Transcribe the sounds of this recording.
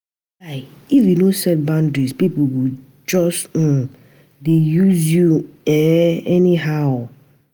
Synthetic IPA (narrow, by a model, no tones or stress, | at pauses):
aɪifjunosɛt̚bãndɹispipowi | d͡ʒɔs̩ | dejuzjuɛɛniɦaʊ